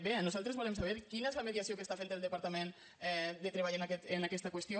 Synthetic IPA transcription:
benuzalˠt̪ɾezβɔlemsaβɛɾkinaezləmeðiasiokest̪afend̪əlˠd̪əpaɾt̪amẽn | ɛd̪ət̪ɾeβaʎaenakɛt̪enakɛst̪əkwəst̪jo

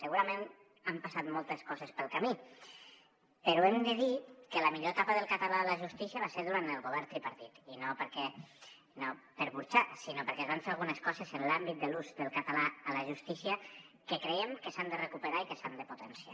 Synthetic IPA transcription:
səɣuɾamen | ampasat̪molˠt̪əskɔzəspəlˠkami | pəɾuemd̪əðikələmiʎoet̪apəðəlˠkat̪alaːləʒust̪isiəβ̞aseɾðuɾant̪əlˠɣoβ̞ɛɾt̪ɾipaɾt̪it̪inopəɾkɛ | nopəɾβuɾt͡ʃasinopəɾkɛzβanɱfeɾalˠɣunəskɔzezənlambit̪̚d̪əluzðəlˠkat̪alaələʒust̪isiə | kəkɾejemkəsand̪ərəkupəɾaikəsand̪əput̪ənsia̰

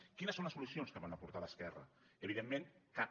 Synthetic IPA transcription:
kinəsonləsulusionskəβanapuɾt̪aləskɛrə̰ | əβiðemːẽnka

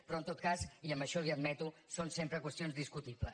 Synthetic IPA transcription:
pɾɔənt̪ot̪̚kasiəmbəʃɔliəd̪mɛt̪usonsempɾəkwəst̪ijonzðiskut̪iplə

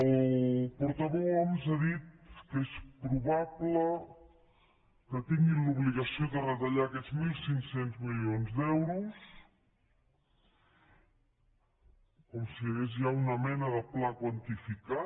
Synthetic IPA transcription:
əlpuɾt̪əβoɔnzaðit̪̚kespɾuβablə | kət̪iŋɡinluβliɣəsioðərət̪əʎaːkɛd͡zmilˠsiŋksenzmilionzd̪ɛwɾus | kɔmsiɣezʒaunəmɛnəðəplakwənt̪ifika

